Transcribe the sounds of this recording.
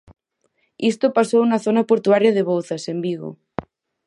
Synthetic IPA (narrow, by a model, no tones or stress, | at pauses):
ist̪opasounaθonapoɾt̪uaɾjaðeβ̞owθasembiɣo̰